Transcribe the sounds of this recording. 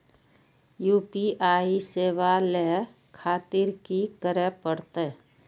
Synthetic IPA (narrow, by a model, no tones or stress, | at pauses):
juːpiʔaːiseːʋale | kʰaːt̪ɪɾkikəɾəpəɽt̪e